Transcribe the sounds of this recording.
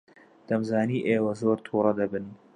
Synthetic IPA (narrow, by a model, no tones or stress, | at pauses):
d̪̥ɐmzaːniːʔeːwɐzoːɾt̪ʰuːɾˤɐd̪ɐbɨn